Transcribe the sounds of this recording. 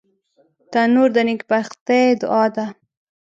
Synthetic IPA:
t̪anuɾd̪ənɪkbaxt̪ed̪ʊ̰ʔɑd̪a

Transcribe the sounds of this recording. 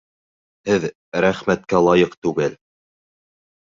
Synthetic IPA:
hɘð | ɾæχmæt̪kælˠɑjɤqt̪ʉɡɘl

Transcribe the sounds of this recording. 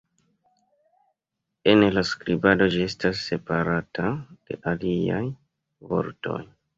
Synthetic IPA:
e̞nlaskɾibado̞d͡ʒie̞stasːe̞paɾatad̥e̞̰ʔalia̰j | vo̞̰ɾto̞̰j

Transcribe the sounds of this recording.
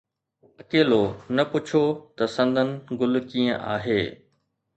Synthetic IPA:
ɐkeːlonɐpʊt͡ɕʰot̪ɐsɐ̃nd̪ʱənɪ̆ɡʊl̆kiːə̃ʔa̰ːɦeː

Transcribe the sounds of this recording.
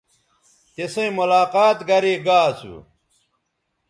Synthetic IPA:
t̪esɐ̃ĩmulaːqaːt̪ɡɐɾiːɡaːsṵ

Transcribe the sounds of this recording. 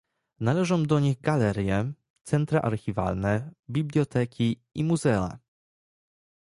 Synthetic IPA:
nalɛʐɔ̃w̃d̪ɔɲiɣɡalɛɾʲjɛ | t̪sɛnt̪ɾaʔa̰ɾxʲiva̰lnɛbʲiblʲjɔt̪ɛkʲi | imuzɛa̰

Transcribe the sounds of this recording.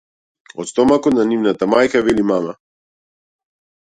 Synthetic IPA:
ɔt̪st̪ɔmakɔnanivnat̪amajkavɛlimama

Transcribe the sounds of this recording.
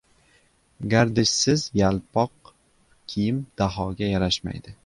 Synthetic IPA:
ɡʲaɾd̪ɪʃsɪzjalˠpʰɒq̚ | kʲʰijɪmd̪̥aɦɒɡʲajaɾaʃma̰jd̪ɪ

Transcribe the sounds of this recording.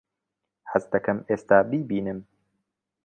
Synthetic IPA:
hɐzd̪ɐkɐmeːst̪aːbiːbiːnɨm

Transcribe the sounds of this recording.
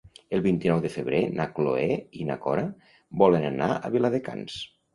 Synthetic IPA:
əlˠβint̪inɔwðəfəβɾenakloeina̰kɔ̰ɾa | bɔlənanaə̰βilaðeka̰ns

